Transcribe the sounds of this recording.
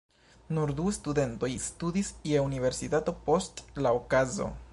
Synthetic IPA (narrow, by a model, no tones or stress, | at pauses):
nuɾd̪uestud̪e̞nto̞jstud̪isieunive̞ɾsitato̞po̞stlaokazo̞̰